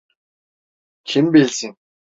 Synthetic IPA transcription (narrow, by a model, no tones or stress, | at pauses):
kʰimpiɮsɘ̆ŋ